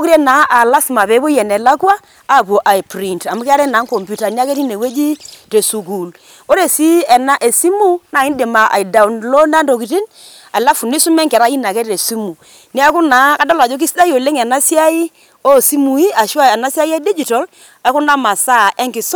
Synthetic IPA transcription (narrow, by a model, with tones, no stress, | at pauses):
o˦ki˦ɾɛ˦na˨˦ʔa˨la˦sma˨pe˨˦bo˦jɛ˨nɛ˨la˦kwaː˦˨ | po˨ʔa˨i˨pɾi˨nta˨mu˦ki˦a˦ɾɛ˦na˨˦ŋko˨mpju˨ta˨ni˦a˦ke˦ti˦ne˨we˦d͡ʒi˦te˨su˨ɡu˨l | o˦ɾe˨si˦ɛ˨na˦ʔe˨si˦mu˦na˨i˦nde˨ma˨ʔa̰˨i˨da˨u˨˦nlo˦na˦ndo˨ki˨ti˦n | a˨la˦fu˨ni˦su˦mɛ˦ŋkɛ˨ɾa˦i˦na˨kɛ˦te˨si˦mu˨ | ni˦a˦ku˦na˨˦ka˦dɔ˦la˨d͡ʒo˦k̬i˦sda˦jo˨le˦ŋɛ˨na˦sja˦i˦ | o˦˨si˦mu˨i˦a˨ʃwa˦ɛ˨na˦si˦a˦i˦a˦di˦d͡ʒi˨tɔ˨l | a˨˦ku˦na˦ma˨sa˦˨ʔɛ˦ŋkɪ˨s